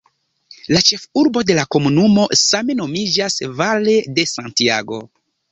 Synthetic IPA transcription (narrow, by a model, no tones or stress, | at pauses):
lat͡ʃe̞fuɾbo̞de̞lako̞munumo̞same̞no̞mid͡ʒasvale̞de̞santia̰ɡo̞̰